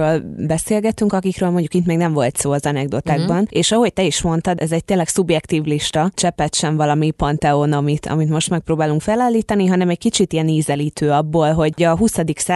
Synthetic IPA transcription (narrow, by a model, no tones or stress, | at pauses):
øːlbɛseːlɡɛt̪yŋkɒkikɾøːlmo̞ɲɟukit̪mɛːɡnɛɱvo̞lt̪soːɒzɒnɛɡ̚d̪o̞t̪aːɡbɒneːʃɒɦo̞c̚t̪ɛiʃmo̞nt̪ɒd̪ɛzɛɟ̚t̪eːnlɛksubjɛkt̪iːvliʃt̪ɒt͡ʃɛpɛt̪ʃɛɱvɒlɒmipɒnt̪ɛonɒmit̪ʰɒ̰mit̪mo̞ʃt̪mɛk̚pɾoːbaːluŋkfɛlaːlːiːt̪ɒniɦɒnɛmɛɟ̚kit͡ʃit̪ijɛniːzɛliːt̪øːɒbːoːlɦo̞ɟɒɦusɒd̪iksa